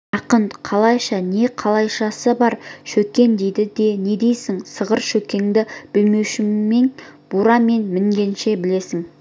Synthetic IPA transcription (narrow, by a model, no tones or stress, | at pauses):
ɑqənqʰɑlˠɑjʃɑne̞qʰɑlˠɑjʃɑsəbɑɾʃɵkʲːe̞nd̪e̞jd̪ɪd̪e̞ne̞d̪e̞jsɪŋsəʁəɾʃɵkʲe̞ŋd̪ɪb̥ɪlme̞wʃɪːe̞ŋb̥uɾɑme̞nmɪŋɡʲe̞nʃe̞bɪle̞sɪŋ